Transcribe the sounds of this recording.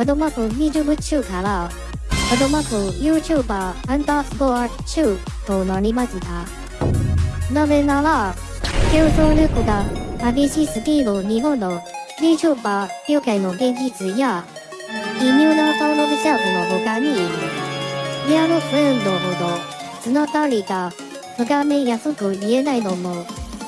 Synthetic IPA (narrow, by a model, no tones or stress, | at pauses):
ad̪omakɯɲʲiʑɨɦɯt͡ɕɯːkaɾa | pad̪omakɯjɯːt͡ɕuːbaãnd̪asɨboa | t͡ɕɯːt̪onaɾʲimaɕit̪a | nazenaɾa | kʲoːzoɾʲɯkɯɡamabiɕisɨd̪iːoɲ̟iɦõnːoɾʲiʑoːbakʲoːkaino̞ɡẽ̞ɲ̟d͡ʑit͡sɨja | iɲʲɯːnat̪amobɯɕakɯnoɦokaɲ̟iːɾɯ̟ | ianokɯẽnd̪oɦod̪osɨnot̪aɾʲiɡa | h̪oɡamejasokɯ̟ie̞nainomo